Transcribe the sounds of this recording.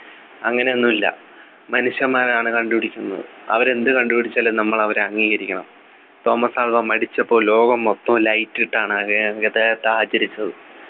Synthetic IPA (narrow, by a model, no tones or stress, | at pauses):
ɐŋːɐne̞onːumilːɐ̰ | mɐnuʂjɐmaːɾɐaːɳɨkɐɳɖupiɽikʲːunːɐ̰ðɨ̰ɐ̰ʋɐɾe̞nd̪ɨkɐɳɖupiɽit͡ɕːaːlːenɐmːɐɭɐʋɐɾeɐŋːiːɣɐɾikʲːɐɳɐm | t̪o̞ːmɐsaːlʋɐmɐɽit͡ɕːɐpːo̞ːlo̞ːɡɐmːot̪ːɐmlɐjtːiʈːaːɳɨɐɣeet̪ajt̪ːaːɐt͡ɕːɐɾit͡ɕːɐðɨ